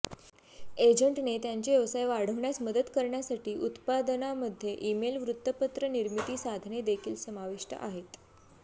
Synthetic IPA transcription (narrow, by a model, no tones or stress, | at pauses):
ed͡ʑəɳʈnet̪jaɲt͡ɕejəʋsajʋaɽ̤əʋɳjasməd̪əd̪kəɾɳjasaʈiːʔut̪pad̪ənaməd̪ʱːjeʔimelʋɾut̪ːəpət̪ɾəniɾmit̪iːsad̪ʱned̪ekʰiːlsəmaʋiʂʈə̰ʔaɦet̪